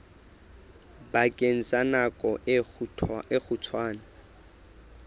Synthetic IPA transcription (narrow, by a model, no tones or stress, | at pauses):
bakʼen̩t͡sʼanakʼɔʔ | ɪk͡xʰʊt͡sʰwaːna